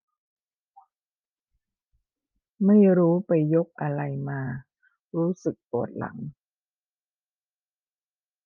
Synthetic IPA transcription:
ma˥˩jɾuː˦˥pa˧jːo˦˥k̚ʔa˧ɾa˧jmaː˧ | ɾuː˦˥sɯ˨˩k̚p̪u˨˩ət̪̚la̰˩˦ŋ

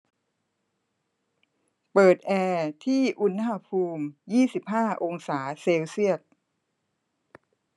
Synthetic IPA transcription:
pɤː˨˩t̪̚ʔɛː˧t̪ʰiː˥˩ʔu˦˥nɦa˧pʰuː˧mjiː˥˩si˨˩p̚ɦaː˥˩ʔo˧ŋsaː˩˦seː˧wsi˥˩ət̪̚

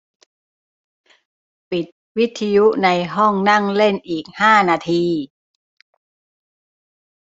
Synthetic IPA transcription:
pi˨˩t̪̚wi˦˥t̪ʰːa˧ju˦˥na˧jɦɔ˥˩ŋna˥˩ŋle˥˩nʔiː˨˩k̚haː˥˩naː˧t̪ʰiː˧

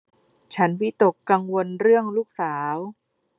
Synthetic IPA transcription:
t͡ɕʰa˦˥nwi˦˥t̪o˨˩kːa˧ŋwo˧nɾɯ˥˩əŋluː˥˩k̚saː˩˦w

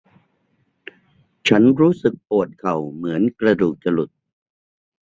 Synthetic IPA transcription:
t͡ɕʰa˦˥nɾuː˦˥sɯ˨˩k̚poː˨˩t̪̚kʰa˨˩wmɯ˩˦ənkɾa˧duː˨˩k̚t͡ɕa˧lu˨˩t̪̚

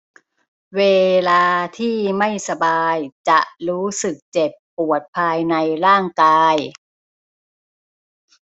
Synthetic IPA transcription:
weː˧laː˧t̪ʰiː˥˩ma˥˩jsa˧baː˧jt͡ɕa˨˩ʔɾuː˦˥sɯ˨˩k̚t͡ɕe˨˩pːu˨˩ət̪̚pʰaː˧jna˧jɾaː˥˩ŋkaː˧j

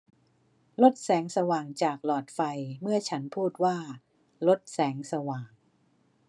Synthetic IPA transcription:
lo˦˥t̪̚sɛː˩˦ŋsa˧waː˨˩ŋt͡ɕaː˨˩k̚lɔː˨˩t̪̚fa˧jmɯ˥˩ɐt͡ɕʰa˦˥npʰuː˥˩t̪̚waː˥˩ | lo˦˥t̪̚sɛː˩˦ŋsa˧waː˨˩ŋ

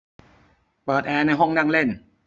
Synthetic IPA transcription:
pɤː˨˩t̪̚ʔɛː˧na˧jɦɔ˥˩ŋnaː˥˩ŋle˥˩n

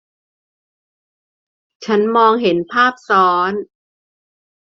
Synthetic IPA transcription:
t͡ɕʰa˦˥nmɔː˧ŋɦe˩˦npʰaː˥˩p̚sɔː˦˥n

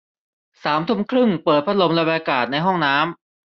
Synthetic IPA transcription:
saː˩˦mt̪ʰu˧mkʰɾɯ˥˩ŋpɤː˨˩t̪̚pʰa˦˥t̪̚lo˧mla˧wa˧kaː˨˩t̪̚na˧jɦɔ˥˩ŋnaː˦˥m

